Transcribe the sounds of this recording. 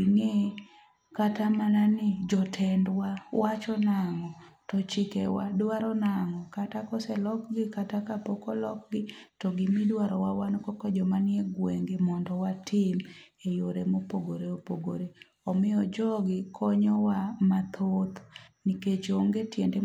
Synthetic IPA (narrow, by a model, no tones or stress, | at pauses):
ŋe | katamananɪd͡ʒɔtʰɛndwawat͡ʃɔnaŋɔtɔt͡ʃɪkɛwa̰dwaɾɔnaŋɔkatakɔsɛlɔkɡɪkatakapokɔlɔk̚ɡɪtɔɡɪmidwaɾɔwawanɔkɔkɔd͡ʒɔmanjeɡweŋɡemɔndɔwatʰɪmejoɾemopoɡoɾeopoɡo̰ɾe | ɔmɪɔd͡ʒɔɡɪkʰɔɲɔwamat̪ʰot̪niket͡ʃoŋɡetjende